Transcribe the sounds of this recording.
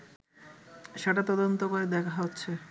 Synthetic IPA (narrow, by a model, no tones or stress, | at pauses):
ʃeʈat̪ɔd̪ont̪okoɾed̪ɛkʰaɦotːɕʰe